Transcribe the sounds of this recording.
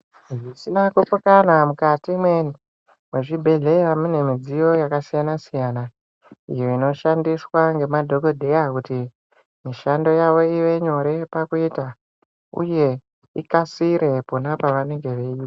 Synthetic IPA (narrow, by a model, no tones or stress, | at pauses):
ʐisinakupukanamukatimwe̞ni | mweʐibʱe̞ɮe̞jamune̞mid͡zijo̞jakasijanasijana | ijo̞ino̞ʃandiswaŋɡe̞madʱo̞ko̞dʱe̞jakuti | miʃando̞jaʋo̞iʋe̞ɲo̞ɾe̞pakuita | ṵje̞ | ikasiɾe̞ponapaʋane̞ŋɡe̞ʋeiːta